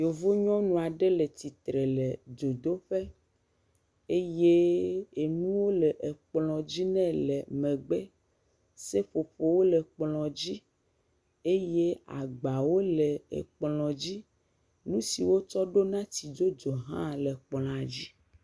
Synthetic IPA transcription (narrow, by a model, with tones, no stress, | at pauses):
jo˨vo˦ɲɔ̃˦nũ˨a˨ɖɛ˦lɛ˨t̪i˨t̪ɾɛ˨lɛ˨d͡ʒo˨d̪o˦ɸɛ˦ | e˦je˦e˨nũ˦wo˦lɛ˨ʔe˨k͡plɔ̃˨d͡ʑi˦nɛ̃˦lɛ˨mɛ̃˨ɡ͡bɛ˦ | se˦ɸo˨ɸo˨wo˦lɛ˨k͡plɔ̃˨d͡ʑi˦ | e˦je˦a̰˨ɡ͡ba˨wo˦lɛ˨ḛ˨k͡plɔ̃˨d͡ʑi˦ | nũ˦si˨wo˦t͡ʃɔ˦ɖo˦nã˦ti˨d͡ʒo˦d͡ʒɔ˨ɦã̰˦lɛ˨k͡plɔ̃˨a˨d͡ʑi˦